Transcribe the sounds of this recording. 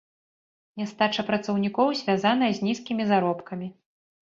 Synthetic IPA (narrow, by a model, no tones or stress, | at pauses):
nʲɛst̪at͡ʂɐpɾɐt̪sɐwnʲikɔwzʲvʲazanɐjɐzʲnʲiskʲimʲizaɾɔpkɐmʲi